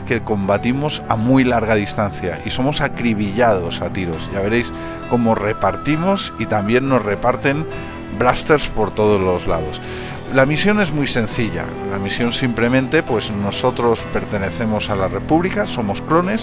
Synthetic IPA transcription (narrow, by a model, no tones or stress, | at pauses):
ke̞ko̞mbat̪imo̞samujlaɾɣað̞ist̪anθja̰ʔiso̞mo̞sakɾiβiʎað̞o̞sat̪iɾo̞zʝaβe̞ɾe̞js | ko̞mo̞re̞paɾt̪imo̞sit̪ambje̞nːo̞zre̞paɾt̪e̞n | bɾast̪e̞ɾspo̞ɾt̪o̞ð̞o̞zlo̞zla̰ð̞o̞s | lamisjo̞ne̞zmujse̞nθiʎa̰ | lamisjo̞nsimple̞mẽ̞nt̪e̞pwe̞zno̞so̞t̪ɾo̞spe̞ɾt̪e̞ne̞θe̞mo̞salare̞puβlikaso̞mo̞skɾo̞ne̞s